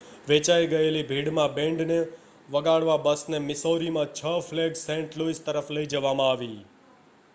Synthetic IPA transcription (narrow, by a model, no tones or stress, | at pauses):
ʋet͡ʃaiɡəelibʱiɽmãbẽɳɖne | ʋəɡaɽʋabəsnemɪsoɾimãt͡ʃʰəfleɡsẽɳʈloist̪əɾəfləid͡ʒəʋamãaʋḭ